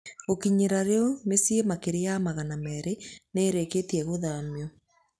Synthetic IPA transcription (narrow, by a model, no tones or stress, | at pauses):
ɣokiɲeɾaɾeɔmesiemakeɾeamaɣanamɛɾeneɾeketiɛɣoðamiɔ